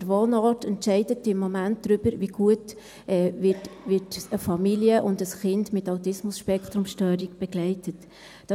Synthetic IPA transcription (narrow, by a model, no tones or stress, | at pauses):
əɾʋoːnɑːtʰɛntʃɛɪdətɪmːɔmænt̚d̥ɾʏb̥əɾʋiɡ̥uət | ʔɛːʋɪtʋɪtəfɑmiljəʔʊndəsχɪndmɪtɑʊtɪsmʊsʃpɛkt̪ɾʊmʃtœːɾiɡb̥ɛɡlɛɪtət | d̥ɑ